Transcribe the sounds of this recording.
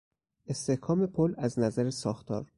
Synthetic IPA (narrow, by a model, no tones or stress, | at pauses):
e̞st̪e̞hkʰɒːme̞pʰolæznæzæɾesɒːxt̪ʰɒ̰ːɾ